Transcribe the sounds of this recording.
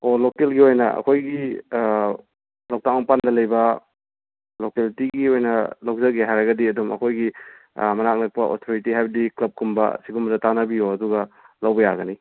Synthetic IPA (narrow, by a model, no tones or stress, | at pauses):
olokelɡiojnɐɐ̰kʰojɡi | lawk̚taŋapandɐlɐjbɐ | lokeltiɡiojnɐlawk̚zɐk̚eɦajɾɐɡɐdiɐdumɐ̰kʰojɡi | mɐnak̚lɐk̚pɐʔo̰tʰoɾitiɦajbɐdiklɐp̚kumbɐ̰siɡumzɐtanɐbijoɐduɡɐ | lɐwbɐjaɡɐni